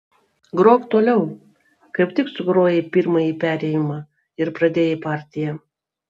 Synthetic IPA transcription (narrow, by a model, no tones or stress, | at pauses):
ɡɾoːkt̪oːlʲɛʊ | kɐɪpʲt̪ʲɪksʊɡɾoːjepʲiɾmɐjiːpʲæːɾʲɛjɪmɑ | ɪɾpɾɐd̪ʲeːjepɑˑɾʲt̪ʲɪjɛ